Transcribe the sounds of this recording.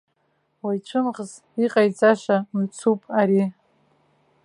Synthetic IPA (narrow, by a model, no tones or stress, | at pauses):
wajt͡ʃʷʰɨmʁz | iqʼajt͡sʼaʃʷamt͡sʰupʼaɾi